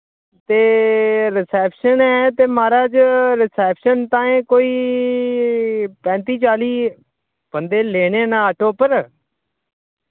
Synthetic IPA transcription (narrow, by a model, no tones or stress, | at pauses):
t̪eːɾɪsɛːpʃənɛːt̪eːmaːɾaːd͡ʒɾɪsɛːpʃənt̪ãːẽːkoːiː | pɛ̃ːnt̪iːt͡ʃaːliː | b̥ənd̪eːleːɽ̃eːnaːaʈʰoːpəɾ